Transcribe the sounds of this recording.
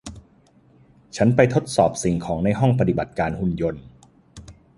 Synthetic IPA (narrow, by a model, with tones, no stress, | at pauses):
t͡ɕʰa˦˥npa˧jt̪ʰo˦˥t̪̚sɔː˨˩p̚si˨˩ŋkʰɔː˩˦ŋna˧jɦɔ˥˩ŋpa˧t̪i˨˩ba˨˩t̪̚kaː˧nhu˥˩njo˧n